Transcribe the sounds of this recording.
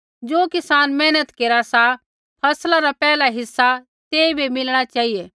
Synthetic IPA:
d͡ʒoːkɪsaːnmɛːnət̪keːɾasa | pʰɐslaɾapɛːlaɦɪsːa | t̪eːibimɪlɽ̃at͡ʃaːɦijeː

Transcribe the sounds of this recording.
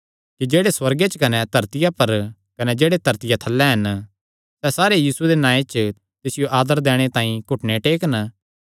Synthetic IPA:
kid͡ʒeːɽeswɐɾɡet͡ʃkɐnɛt̪ɐɾt̪ɪjapɐɾ | kɐnɛd͡ʒeːɽet̪ɐɾt̪ɪjat̪ʰɐlːɛɦɐn | sɛsaːɾejiːsued̪enãːet͡ʃ | t̪ɪsɪjoʔaːd̪əɾd̪ɛ̃ːɽ̃et̪ãːĩkʊʈʰneʈeːkn

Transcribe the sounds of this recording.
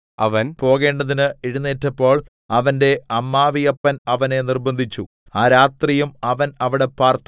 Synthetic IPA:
ɐʋɐnpo̞ːɣe̞ːɳɖɐðinɨiɻunːeːtːɐpːo̞ːɭ | ɐʋɐnde̞ɐmːaːʋijɐpːɐnɐʋɐne̞nirbɐnd̪ʱit͡ɕːu | aːɾaːt̪rijumɐʋɐnɐʋiɽe̞paːrt̪

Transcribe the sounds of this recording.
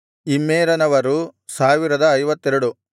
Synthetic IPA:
imːeːɾɐnɐʋɐɾusaːʋiɾɐd̪ɐːjʋɐt̪ːɛɾuɽu

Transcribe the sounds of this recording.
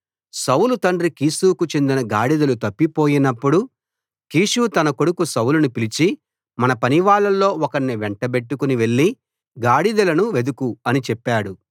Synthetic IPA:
sɐwlut̪ɐɳɖɾikiːsuːkut͡ʃe̞nd̪inɐɡaːɽid̪ɐlut̪ɐpːipo̞ːjinɐpːuɽu | kiːʂuːt̪ɐnɐko̞ɽukusɐwlunupilit͡ʃi | mɐnɐpɐniʋaːɭɐlːo̞ːɔkɐɳniʋɛɳʈɐbe̞ʈːukuniʋe̞ɭːi | ɡaːɽid̪ɐlɐnuʋe̞d̪ukuɐnit͡ʃɛpːaːɽu

